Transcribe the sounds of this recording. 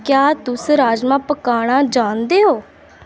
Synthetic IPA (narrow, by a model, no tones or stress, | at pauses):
kjaːt̪ʊsɾaːd͡ʒmãːpəkaːɽ̃aːd͡ʒãːnd̪eːɦoː